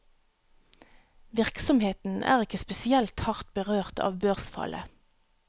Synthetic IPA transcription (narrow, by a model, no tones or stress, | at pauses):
ʋɪʁksɔmheːt̪n̩ʔæ̰ːʁɪkəspɛsɪɛlt̪hɑʁt̪̚bəʁøːʁt̪ʰɑ̰ːʋbøːʁsfɑ̰lʔə̰